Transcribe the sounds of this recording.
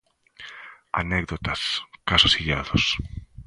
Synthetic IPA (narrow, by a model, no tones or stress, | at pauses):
a̰neɡðot̪askasosiʎaðos